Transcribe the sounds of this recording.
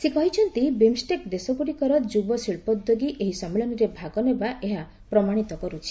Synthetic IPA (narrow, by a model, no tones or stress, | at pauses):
sikɔɦjt͡ʃʰɔnt̪ibemsʈekd̪esɔkuɽikɔɾɔd͡ʒubɔsiɭpɔd̪oɡiʔeɦisɔmeɭɔnɔɾebʱaɡɔnebaʔeɦa | pɾɔmaɽ̃it̪ɔkɔɾut͡ʃʰi̥